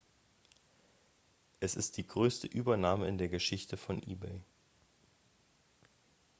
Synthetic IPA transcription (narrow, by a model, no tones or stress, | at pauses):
ʔɛsɪst̚d̥iːɡʁøːstəʔyːbɐnaːməɪndeːɐɡəʃɪçtəfɔnʔḭːbeɪ